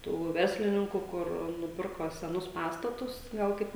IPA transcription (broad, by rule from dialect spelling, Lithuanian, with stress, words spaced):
ˈtuː ˈʋʲɛrʲsʲlʲɪnʲɪŋkʊ ˈkʊr nʊˈpʲɪrkoː sʲɛˈnʊs ˈpɑːstɐtʊs ˈɡɐlˠ kɐɪp